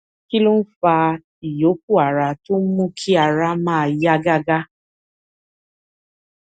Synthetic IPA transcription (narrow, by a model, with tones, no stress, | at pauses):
ki˦lu˦n̩˦fa˧ | i˨jo˨˦k̚u˦˨a˨ɾa˨to˦mũ˦kʰi˦a˨ɾa˧˦mãː˦˨ja˦ɡa˦ɡa˦